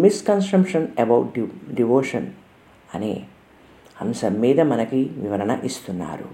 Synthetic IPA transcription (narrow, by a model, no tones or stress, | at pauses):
miskɐnsʈɐmpʂɐnebɐwʈɖɖiʋoːʂɐn | ɐ̰nḛː | ɐmsɐmːiːd̪ɐmɐnɐkiʋiʋɐɾɐnɐ̰ʔist̪unːa̰ːɾṵ